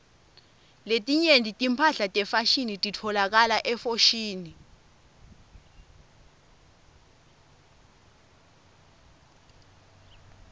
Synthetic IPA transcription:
letʼiɲendʱʼitʼimpʰaɬatʼɛfaʃinitʼitʰɔlak̬alaʔɛfoʃiːni

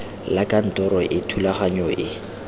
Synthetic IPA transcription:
lakʼan̩tʼɔɾɔʔɪtʰulaχaɲɔʔɪ

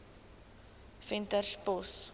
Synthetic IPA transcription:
fɛntərspɔs

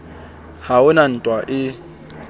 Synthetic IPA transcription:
haʊnan̩tʼwaʔɪ

